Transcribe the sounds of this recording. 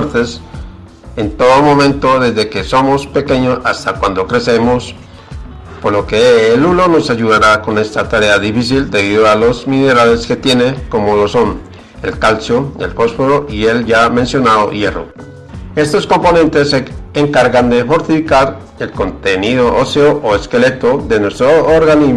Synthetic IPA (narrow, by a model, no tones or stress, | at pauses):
ɾt̪e̞s | e̞nt̪o̞ðomõ̞mẽ̞nt̪o̞ðe̞zðe̞ke̞so̞mo̞spe̞ke̞ɲosast̪akwand̪o̞kɾe̞se̞mo̞s | poɾlo̞keːlulo̞no̞saʝuðaɾako̞ne̞st̪at̪aɾe̞aðifis̬ild̪e̞β̞iðoalo̞zmĩne̞ɾale̞ske̞t̪je̞ne̞ko̞mo̞lo̞so̞n | e̞lkalsoḛlfo̞sfoɾoʔie̞lʝamẽ̞nsjo̞naðo̰je̞ro̞̰ | e̞st̪o̞sko̞mpo̞nẽ̞nt̪e̞seeŋkaɾɣand̪e̞fo̞ɾt̪ifikaɾ | e̞lko̞nt̪e̞niðo̞ʔoseoʔoe̞skele̞t̪o̞ðe̞nwe̞st̪ɾoːɾɣani